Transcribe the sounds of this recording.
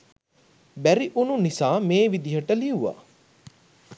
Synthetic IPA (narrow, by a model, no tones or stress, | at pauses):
bæɾiʔununisaːmeːʋid̪iɦəʈəliuʋa̰